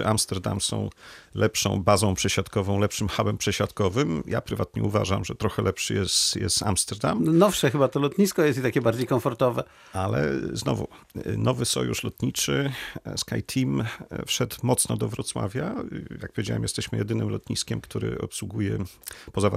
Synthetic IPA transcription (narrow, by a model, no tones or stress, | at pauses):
ʔamst̪ɛɾd̪amsɔ̰̃w̃lʔɛpʂɔ̰̃w̃bazɔ̃w̃pʂɛɕat̪kɔvɔ̃w̃lɛpʂɘmxabɛmpʂɛɕat̪kɔvɘmjapɾɘvat̪ɲɛuva̰ʐamʐɛt̪ɾɔxɛlɛpʂɘjɛst̪jɛ̰st̪amst̪ɛɾd̪amnɔfʂɛxɘbat̪ɔlɔt̪ɲiskɔjɛst̪it̪akʲɛbaɾd͡ʑejkɔɱfɔɾt̪ɔvɛ | alɛ̰znɔvṵ | nɔvɘsɔjuʂlɔt̪ɲit͡ʂɘskajt̪ʰimfʂɛt̪mɔt̪snɔd̪ɔvɾɔt̪swa̰vʲjajak̚pɔvjed͡ʑawɛmjɛst̪ɛɕmɘjɛd̪ɘnɘmlɔt̪ɲiskʲɛmkt̪uɾɘ̰ɔ̰pswuɡujɛpɔzava